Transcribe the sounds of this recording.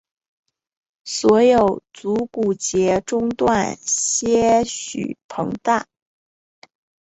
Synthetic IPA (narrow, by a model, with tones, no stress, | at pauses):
swɔ˧˥jo˨˩ʊt͡su˧˥ku˨˩t͡ɕjɛ˧˥ʈ͡ʂʊ˥ŋt̪wa˥˧nɕjɛ˥ɕy̰˨˩pʰɤ̰˧˥ŋt̪a˥˩